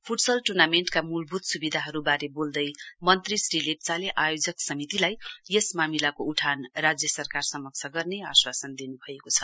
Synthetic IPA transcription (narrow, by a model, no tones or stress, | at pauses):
pʰuʈsʌlʈurnameɳʈkamulbʱut̪subid̪ʱaɦʌɾubaɾebold̪ʌjmʌnt̪risrilek̚t͡saleʔajod͡zʌksʌmit̪ilajjesmamilakouʈʰanrad͡zjʌsʌrkarsʌmʌk̚t͡sʰʌɡʌrneaswasʌnd̪inubʱʌekot͡sʰʌ̥